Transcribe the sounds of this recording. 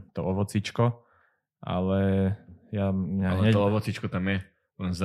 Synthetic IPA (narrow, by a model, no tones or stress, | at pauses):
t̪ɔɔʋɔt͡sit͡ʃkɔ | ʔa̰lɛ | jaɲaɲɛt̪ɔɔʋɔt͡sit͡ʃkɔt̪amjɛ | lɛnz